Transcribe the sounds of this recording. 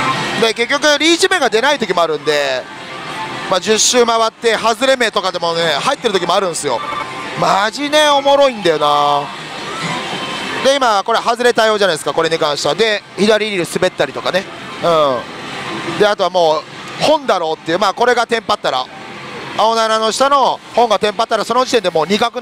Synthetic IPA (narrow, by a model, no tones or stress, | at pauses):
d̪eke̞k̬ʲːo̞k̬ɯɾʲiːʑimẽ̞ŋɡad̪e̞nait̪o̞kʲimo̞aɾɯ̟̃nd̪e̞ | maːd͡ʑɨɕːɨːmaβat̪ːe̞ɦazɨɾe̞me̞t̪o̞kad̪e̞mo̞ne̞hait̪ːe̞ɾɯt̪okʲimo̞aɾɯ̟̃ɰ̃sɨjo̞̰maʑine̞o̞mo̞ɾo̞ĩnd̪ajona | d̪e̞imako̞ɾe̞ahazɨɾe̞t̪aio̞ːʑanaid̪esɨ̥kako̞ɾe̞ɲikãɰ̃ɕi̥t̪ead̪e̞çid̪aɾʲiɾʲiɾisɨbe̞t̪ːaɾʲit̪o̞kane̞ɯ̟̃ | d̪e̞at̪o̞βamo̞ːhõ̞nd̪aɾo̞ːt̪ːe̞ijɯ̟maːko̞ɾe̞ɡat̪ẽ̞mpat̪ːaɾa̰ | ao̞nanano̞ɕi̥t̪ano̞hõ̞ŋɡat̪ẽ̞mpat̪ːaɾaso̞no̞d͡ʑit̪e̞nd̪emo̞ːɲ̟ikakɯ̟